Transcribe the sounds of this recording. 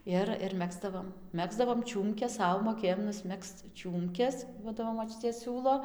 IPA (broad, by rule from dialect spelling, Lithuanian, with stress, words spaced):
ˈɪr ɪr ˈmʲæːɡzdɐʋoːm ˈmʲæːɡzdɐʋoːm ˈt͡ʃʲuːmʲkʲɛs ˈsɐʊ moːˈkʲeːjoːm nʊsʲˈmʲɛkst͡s ˈt͡ʃʲuːmʲkʲɛs ˈduɔdɐʋoː moːˈt͡ʃʲʊtʲeː ˈsʲuːlˠoː